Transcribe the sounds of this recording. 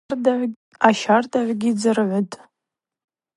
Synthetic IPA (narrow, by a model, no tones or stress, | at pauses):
ʕ | aʃardʼaʕʷɡʲid͡zɨrʕʷʊtʼ